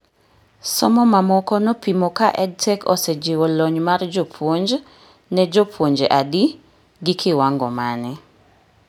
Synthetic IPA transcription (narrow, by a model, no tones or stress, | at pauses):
sɔmɔmamɔkɔnɔpimɔkaʔɛd̚tɛkɔ̰sɛd͡ʒɪwɔlɔɲmard͡ʒɔpʰwoɲd͡ʒ | nɛd͡ʒɔpʰwoɲd͡ʒeʔadi | ɡɪkʰɪwaŋɡɔ̰manɪ